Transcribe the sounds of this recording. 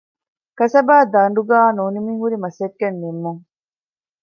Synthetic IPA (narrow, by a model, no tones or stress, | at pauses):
kɐsɐbaːd̪ɐɳɖuɡaːnuːnimiːɦuɾimɐsekːenːimːuŋ